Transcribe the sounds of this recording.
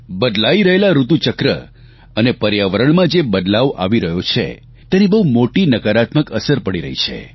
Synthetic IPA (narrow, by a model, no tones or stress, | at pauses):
bəd̪laiɾəɦelaɾut̪ut͡ʃəkɾə̰ | ənepəɾjaʋəɾəɳmãd͡ʒebəd̪laʋʔa̰ʋiɾəɦjot͡ʃʰḛ | t̪enibəwmoʈinəkaɾat̪məkəsəɾpəɽiɾə̰ɦit͡ʃʰḛ